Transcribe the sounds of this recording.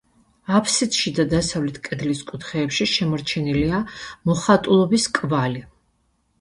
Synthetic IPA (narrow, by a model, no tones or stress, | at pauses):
apʰsit̪ʃid̪ad̪asavlɛt̪ʰkʼɛd̪liskʼut̪ʰχɛːpʃiʃɛmɔɾt͡ʃʰɛniliamɔχat̪ʼulˠɔbiskʼvali